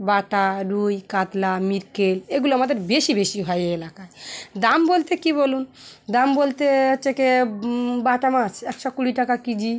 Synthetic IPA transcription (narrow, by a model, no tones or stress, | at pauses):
baʈaɾujkat̪lamiɾkeleɡuloamad̪eɾbeʃibeʃiɦɔjeelakaed̪ambolt̪ekiβolund̪ambolt̪eteke | baʈamat͡ʃʰɛkʃɔkuɽiʈakakid͡ʑi